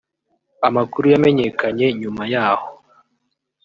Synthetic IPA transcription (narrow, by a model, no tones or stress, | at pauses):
amakuɾujame̞ɲekʰaɲe̞ɲumajaːho